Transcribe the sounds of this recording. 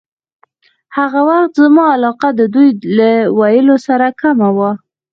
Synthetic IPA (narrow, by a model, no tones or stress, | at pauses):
haɣawaxt̪zəmɑalɑqad̪əd̪ujlawajəlosaɾakamawa